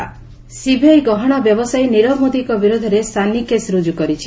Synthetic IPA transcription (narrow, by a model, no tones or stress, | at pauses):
sibʱejɡɔɦɔɽ̃ɔbjɔbɔsajniɾɔmod̪ikɔbiɾod̪ʱɔɾest̪ʰanikesɾud͡ʒukɔɾit͡ʃʰi